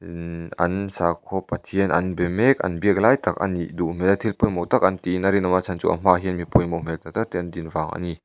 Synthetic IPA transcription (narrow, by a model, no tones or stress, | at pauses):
ɐ̰nsakʰːɔpɐt̪ʰiənʔɐnbɛmɛk̚ɐ̰nbiək̚lajt̪ɐk̚ɐ̰nːiʔduʔm̥ɛlɛt̪ʰilpujmɔwt̪ak̚ʔɐnt̪inɐɾinɐmat͡sʰant͡sṵʔɐ̰m̥aɦinmipɔjmɔwm̥ɛk̚t̪at̪ak̚t̪ɛʔɐnd̪invaŋʔa̰ni